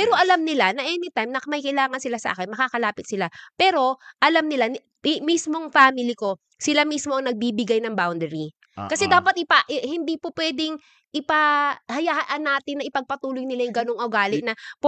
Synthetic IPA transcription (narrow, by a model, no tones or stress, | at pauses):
pɛːɾo̞ʔɐlamnɪlanɐʔɛnɪt̪ajmnɐkɐmɐjkɐjlaːŋɐnsɪlasɐʔa̰ːkɪnmɐkaːkɐlaːpɪt̪̚sɪlapɛːɾo̞ʔɐlamnɪla | mismo̞ŋfaːmɪlɪko̞ | sɪlamismo̞ʔɐŋnɐɡ̚bibɪɡajnɐŋbawnd̪ɛɾi | kɐsɛd̪aːpɐt̪̚ʔɪpaʔhɪnd̪iːpopwɛːd̪ɪŋ | ʔɪpahɐjaːhɐʔɐnːaːt̪ɪnːɐʔɪpɐɡ̚pɐt̪uːlojnɪlajʊŋɡɐnoŋoɡaːlɪnɐp